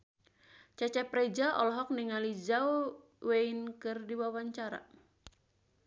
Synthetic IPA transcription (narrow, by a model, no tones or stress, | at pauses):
t͡ʃat͡ʃɛpɾɛd͡ʒaʔɔlɔɦɔk̚niŋalid͡ʒaw | weinkɨrdiwawaɲt͡ʃaɾa̰